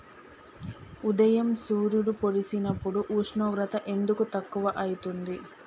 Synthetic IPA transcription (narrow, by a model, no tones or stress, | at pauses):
ud̪ɐjɐmsuːɾjuɽupoɽisinɐpːuɽuʔuːʂɳɔːɡɾɐt̪ɐʔe̞nd̪ukut̪ɐkːuʋɐʔɐjit̪und̪i